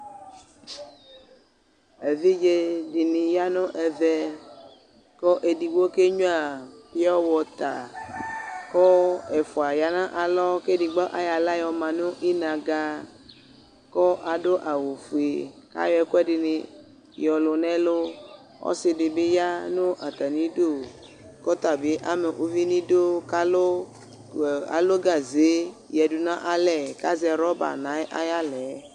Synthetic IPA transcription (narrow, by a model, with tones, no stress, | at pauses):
e˨vi˦d͡ʒe˦ɖi˨nĩ˨ja˦nõ˦ʔɛ˨vɛ˦ | kɔ˦ʔe˨di˨wo˦ke˦ɲũ˦a˨pi˦ɔ˦wɔ˨t̪a̰˨ | kɔ˦ɛ˨fu˨a˨ja˨nã˦ʔa˨lɔ˦ke˦di˨ɡ͡bɔ˦ʔa˦ja˨la˦jɔ˨mã˨nũ˦ʔi˦nã˨ɡa˨ | kɔ˦ʔa˨do˦ʔa˨wo˨fu˨e˨ka̰˦jɔ˦ɛ˨ku˦ɛ˦dɪ˨ne˨ | jɔ˨lo˨nɛ̃˦lo˦ | ɔ̰˦se˨de˨be˦ja˦nõ˦ʔa˨t̪a˨nĩ˦do˦˨ | kɔ˦t̪a˨be˨˦ʔa˨me˨ʔo˨vi˦nĩ˦do˦ka˦lo˦ | a̰˨lo˦ɡa˨ze˨˦ | jɛ˨du˨nã˦ʔa˨lɛ˨ka˦zɛ˨ɾɔ˦ba̰˨nã˨˦ʔa̰˦ja˦lɛ˨˦